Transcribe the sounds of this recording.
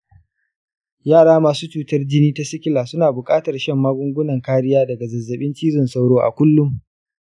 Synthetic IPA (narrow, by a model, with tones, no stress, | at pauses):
jaː˦˨ɽaː˦maː˨suː˦t͡ʃuː˦tɐ˦rd͡ʒɪ˦niː˦ta˦sɪ˦kʲɪ˦laː˨sʊ˦naː˨bʊ˨kʼaː˦tɐ˨rʃɛ˦˨mːaː˦ɡʷʊ˦ŋɡʷʊ˦nɐ˨ŋkaː˦ɽɪ˦jaː˦dɐ˨ɡa˨zɐ˨zːɐ˨ɓɪ˦nt͡ʃiː˦zʊ˨nsa˦wɽoː˦ʔa̰˨kʷʊ˦lːʊ˦m